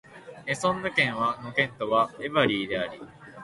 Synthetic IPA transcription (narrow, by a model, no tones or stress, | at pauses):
esõ̞nːɯ̟kẽ̞ɰ̃βanokẽ̞nt̪o̞βaeβaɾʲiːd̪e̞aɾʲi